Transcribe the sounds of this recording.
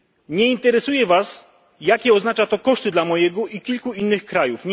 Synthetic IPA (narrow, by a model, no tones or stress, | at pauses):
ɲɛint̪ɛɾɛsujɛvas | jakʲɛɔznat͡ʂat̪ɔkɔʂt̪ɘd̪lamɔjɛɡɔʔikʲilkuinːɘxkɾajufɲ